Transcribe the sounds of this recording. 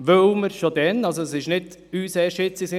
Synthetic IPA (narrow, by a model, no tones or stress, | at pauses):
ʋœwməɾʃod̪ɛnɑlsoəsɪʃnɪd | yːseːʃɪt͡sisɪ